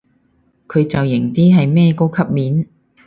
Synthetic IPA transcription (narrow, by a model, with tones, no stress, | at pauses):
kʰɵ˨˧ɥt͡sɐ˨wjɪ˨˩ŋt̪iː˥ɦɐ˨jmɛː˥ko˥wkʰɐ˥p̚miː˨˥n